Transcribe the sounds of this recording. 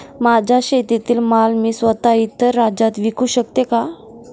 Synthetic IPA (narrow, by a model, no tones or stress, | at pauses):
mad͡ʑʱaɕet̪it̪iːlmalmiːsʋət̪ait̪ːəɾːad͡ʑat̪ʋikuːɕək̚t̪eka